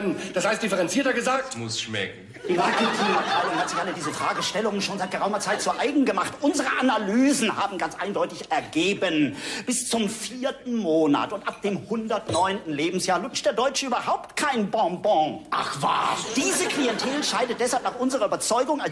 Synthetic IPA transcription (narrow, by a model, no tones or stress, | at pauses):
d̥ashaɪstd̥ɪfəʁɛnt͡siːɐtɐɡəzaːk̚tmʊsʃmɛ̰kŋ̩ | d̥iːmakntʰiaaɪʊnhatz̥ɪçʔalədiːzəfʁ̥aːɡəʃtɛlʊŋənʃoːnzaɪt̚ɡ̥əʁaʊmɐt͡saɪt̚z̥uɐʔaɪɡŋ̩ɡəmaχtʔʊnzəʁəʔanalyːzn̩haːbm̩ɡant͡sʔaɪndɔʏtɪçɛɐɡeːbənb̥ɪst͡sʊmfiːɐtn̩moːna̰tʊntʔap̚d̥eːmhʊndɐtnɔʏntn̩leːbm̩sjaːɐlʊt͡ʃtd̥eːɐdɔʏt͡ʃəʔyːbɐhaʊp̚tkʰaɪnbɔ̃bɔ̃ʔa̰χv̥a̰ːd̥iːzəkliɛntʰeːlʃaɪdət̚d̥ɛshalpnaːχʔʊnzəʁɐʔyːbɐt͡sɔʏɡʊŋa